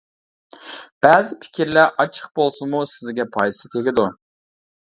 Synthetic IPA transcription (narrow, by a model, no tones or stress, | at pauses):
b̥ɛːzɪpʰi̥kʲʰiɾlæɾʔɑt͡ʃʰə̥χ̚bolˠsunmusɪzɡʲɛpʰɑjsɨt̪ʰeɡʲɪd̪u